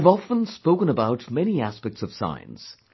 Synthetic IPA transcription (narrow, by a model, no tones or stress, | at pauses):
vɔfə̃nspoʊkə̃nəbaʊt̚mɛñiæspɛk̚tsʌv̥sã̰ɪə̰̃nz̥